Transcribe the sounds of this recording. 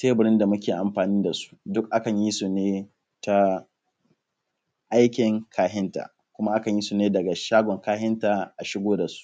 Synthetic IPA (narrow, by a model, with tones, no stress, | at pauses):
teː˦bɪ˨ɾɪ˦nda˨mʊ˦kʲeː˨ʔa˨mɸaː˨niː˦da˨su̥˦dʊ˦k̚ʔa˦kɐ˨ɲji˦suː˨neː˦ | ta˦ | ʔa˦jkʲɪ˨ŋkʰaː˦ɦɪ˦nta̰ː˨ | kʷʊ˦ma˦ʔa˦kɐ˨ɲji˦suː˨neː˦dɐ˨ɡa˨ʃaː˦ɡʷɔ˨ŋkaː˦hɪ˦ntaː˨ʔa˨ʃɪ˦ɡʷoː˦da˨su̥˦ʔ